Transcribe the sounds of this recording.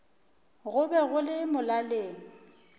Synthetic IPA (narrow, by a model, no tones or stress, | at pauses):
ɣʊbɛɣʊlɪmʊlaleːŋ̩